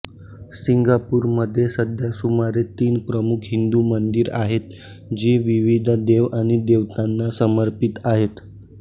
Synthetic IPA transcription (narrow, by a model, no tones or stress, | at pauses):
siŋɡapuːɾməd̪ʱːjesəd̪ʱjasumaɾet̪iːnpɾəmukʰɦind̪umənd̪iɾaɦet̪ | d͡ʑiʋiʋid̪ʱd̪eʋaɽ̃id̪eʋt̪anːasəməɾpit̪aɦet̪